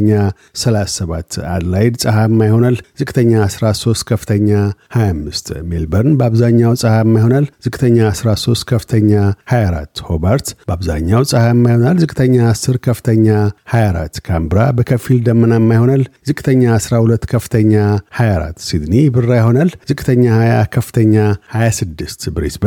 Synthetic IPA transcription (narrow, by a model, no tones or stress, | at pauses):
ɲːa | səlasːəβat̪ːa̰d̪lajd̪sʼɨhamːajho̞nalzɨkʼt̪ʰəɲːasɾaso̞st̪̚kʰəfɨ̥t̪ʰəɲːahajamːɨst̪melbəɾnbəaβzaɲːawsʼɨhamːajho̞nalzɨkʼt̪ʰəɲːaːsɾaso̞st̪kʰəfɨt̪ʰəɲːahajaɾa̰t̪ːhobəɾt̪bəaβza̰ɲːawsʼɨhaɛmːajho̞nalzɨkʼt̪ʰəɲːaːsːɨɾkʰəfɨ̥t̪ʰəɲːahajaɾa̰t̪kʰambɨɾabəkʰəfild̪əmːənamːajho̞nalzɨkʼt̪ʰəɲːaːsɾahulət̪ːkʰəfɨt̪ʰəɲːahajaɾa̰t̪ːsid̪nibɨrːajho̞nalzɨkʼt̪ʰəɲːahajakʰəfːɨ̥t̪ʰəɲːahajasɨd̪ːɨst̪bɨɾesb